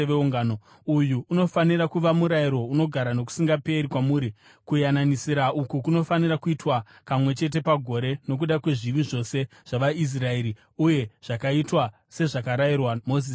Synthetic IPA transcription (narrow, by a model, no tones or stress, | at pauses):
ʋeuŋɡaːno | ujuːno̞faniɾakuʋamuɾajiɾo̞uno̞ɡʱaɾano̞k̬u̥siŋɡape̞ɾikwamuːɾi | kujananisiɾaukukuno̞fanirakuitwa | pamwe̞t͡ʃe̞t̬e̞paɡʱo̞ɾe̞no̞k̬uɗakwe̞ʐiʋiʐo̞se̞ | ʐ̥aʋais̬rae̞ɾi | uje̞ʐ̥akaitwa | se̞ʐakaɾairwamozi